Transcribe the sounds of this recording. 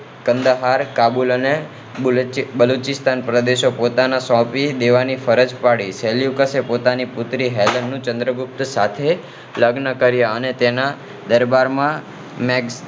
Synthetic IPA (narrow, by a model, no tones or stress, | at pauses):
kənd̪əɦaɾkabuləne | bəlut͡ʃɪst̪ʰanpɾəd̪eʃopot̪anasɔ̃pid̪eʋanifəɾəd͡ʒpaɽiseljukəsepot̪anipʊt̪ɾiɦɛlənːũt͡ʃə̃nd̪ɾəɡʊp̚t̪sat̪ʰe | ləɡnəkəɾjaənet̪ena | d̪əɾbaɾmã | mɛɡs